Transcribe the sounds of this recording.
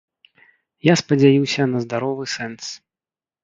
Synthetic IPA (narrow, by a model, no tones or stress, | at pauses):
jaspɐd͡zʲajiwsʲɐnɐzd̪aɾɔvɨsɛns